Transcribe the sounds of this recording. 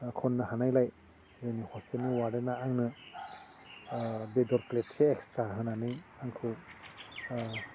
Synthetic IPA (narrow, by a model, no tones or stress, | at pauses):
kʰɔnːɯhanajlaj | zɯjnihɔstʰelniwaɾenaaŋnɯ | bedɔɾplet̚seːkstɾaɦɯnanɯjaŋkʰɯw